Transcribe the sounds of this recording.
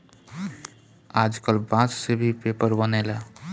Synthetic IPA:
ad͡ʒkəlbãt͡ʃsebʱipepəɾbənɛle

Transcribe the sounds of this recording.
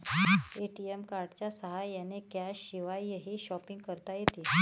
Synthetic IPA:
eʈiemkaɾɖt͡ɕjasəɦajːanekjaɕiʋajːəɦiːɕɔpiŋɡkəɾt̪ajet̪iː

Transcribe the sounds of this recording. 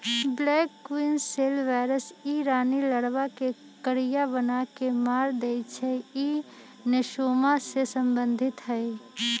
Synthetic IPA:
blɛːkːwinselʋaɪɾəsiɾaːniləɽwake | kəɾijabənakemaːɾd̪et͡ʃʰɛi | nɪʃoːmasesə̃mbə̃nd̪ʱɪt̪ɦɛɪ

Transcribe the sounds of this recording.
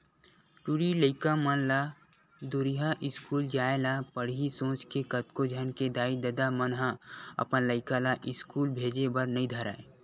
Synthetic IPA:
ʈuɾiləɪkamənla | d̪ʊɾiɦaʔɪskuːld͡ʒaːelapəɽ̤ɦisõːt͡ʃkekət̪kod͡ʒʱənked̪aːid̪əd̪amənɦãɐ̰pnləɪkalaʔɪskuːlbʱeːd͡ʒebəɾnɐĩd̪ʱəɾa̰ːe

